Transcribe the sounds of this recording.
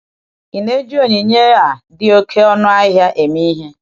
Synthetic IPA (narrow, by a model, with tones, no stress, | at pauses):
i˨ne˦d͡ʒi˦o˨ɲi˨ɲe˦a˨dɪ˦o˦kʰe˦ɔ˦nʊ˦a˦ɦja˦ʔe˨mi˦ɦe˦